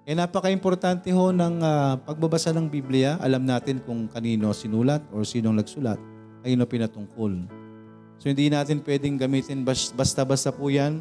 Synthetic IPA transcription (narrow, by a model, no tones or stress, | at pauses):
kɐjanaːpɐkɐʔɪmpo̞ɾt̪ant̪ɛho̞nɐŋaːpɐɡ̚bɐbɐsanɐŋbiːblɪjɐʔɐ̰lamnaːt̪ɪnkʊŋkɐniːno̞sɪnuːlɐt̪̚oɹsiːnoŋnɐɡsʊla̰t̪̚ | kɐniːno̞pɪnɐt̪ʊŋko̞l | sohɪnd̪inaːt̪ɪnpwɛːd̪ɪŋɡɐmiːt̪ɪnbɐbɐst̪abɐst̪apuːjan